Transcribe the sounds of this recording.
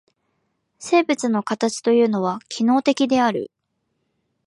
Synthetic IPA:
se̞ːbɯ̟t͡sɨno̞kat̪at͡ɕi̥t̪o̞jɯ̟ːno̞βakʲʰino̞ːt̪e̞kʲid̪e̞aɾɯ̟̰

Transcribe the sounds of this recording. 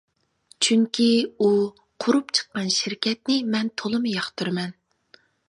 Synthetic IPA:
t͡ʃʰyŋkʲʰiu | qʰʊɾupt͡ʃʰə̥qːɑnʃiɾkʲʰɛt̪̚nɪmɛnt̪ʰolˠɨmɨjɑχt̪ʰuɾmɛn

